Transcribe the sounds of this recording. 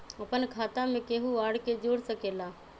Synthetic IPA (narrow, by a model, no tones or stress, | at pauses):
əpənkʰaːt̪amẽkeːɦuaːɽked͡ʒoːɽsəkeːla